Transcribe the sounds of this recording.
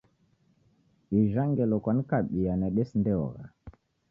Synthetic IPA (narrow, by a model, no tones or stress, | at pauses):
iʒaŋɡɛlɔkanikaɓijanɛɗɛsindɛɔ̰ɣa̰